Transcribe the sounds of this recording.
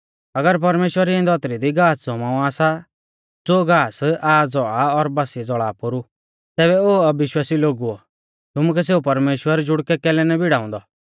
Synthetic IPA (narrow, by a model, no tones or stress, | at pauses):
ɐɡəɾp̬ɐɾmeːʃwəɾiẽnd̪ɔːt̪ɾid̪iɡaːsd͡zʱɔmãːũaːsa | d͡zoːɡaːsʔaːd͡zɔaɔɾbɐsid͡zɔɭaːpʊɾu | t̪ɛːbɛoːɐbɪʃwaːsiloːɡuɔ̰ | t̪ʊmuk̬ɛseːupɐɾmeːʃwəɾd͡ʒʊɽkɛkɛːlɛnɛbʱɪɽaːɔ̃nd̪ɔ